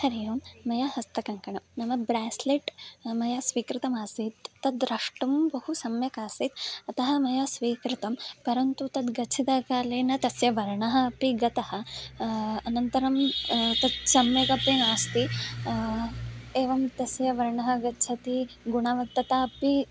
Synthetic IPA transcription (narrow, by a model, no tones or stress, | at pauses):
hɐɾijɐmːɐjahɐst̪ɐkɐŋkɐɳɐmnɐmɐbɾaːsliʈmɐjɐsʋiːkɾit̪ɐmaːsit̪ːɐd̪ɾɐʂʈɐmbɐhusɐmjɐkaːsit̪ɐt̪ɐɦɐmɐjɐsʋiːkɾit̪ɐmpɐɾɐnt̪ut̪ɐt̪ɡɐt͡ʃʰit̪aːkaːleːnɐt̪ɐsjɐʋɐɾɳɐɦɐːpiɡɐt̪ɐhɐ | ɐnɐnt̪ɐɾɐmt̪ɐd̪sɐmjɐkɐpeːnaːst̪i | eːʋɐmt̪ɐsjɐʋɐɾɳɐɦɐ̆ɡɐtːt͡ʃʰɐt̪iɡuɳaːʋɐk̚t̪ːɐt̪aɐpi